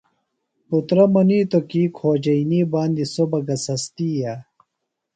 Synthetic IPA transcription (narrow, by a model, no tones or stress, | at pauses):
put̪ɾɐmɐniːt̪okiːkʰoːd͡ʑɐiniːbaːnd̪isobɐɡɐsɐst̪iːjaː